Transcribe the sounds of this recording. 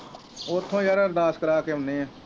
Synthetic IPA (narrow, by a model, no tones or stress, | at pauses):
oːt̪ʰːõːjaɾəɾd̪aːskəɾaːkeːʊneːãː